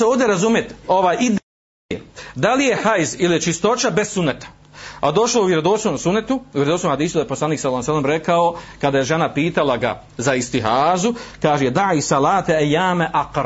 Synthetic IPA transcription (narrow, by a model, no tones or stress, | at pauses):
eoːʋd̪eɾazumjet̪o̞ʋaːjʔid̪ | ed̪alije̞hajzilijet͡ʃist̪o̞t͡ʃabessunːet̪ḁ | ad̪o̞ʃlouvjeɾod̪osnomsunːet̪uujeɾed̪osnohad̪iːsud̪ajeposlaniːksalːsɛlːemɾekaokad̪ajeʒenapiːt̪alaɡa̰ | zaist̪iɦaːzukaːʒejed̪aʕiːsɑlaːt̪eajːaːmeʔaqɾ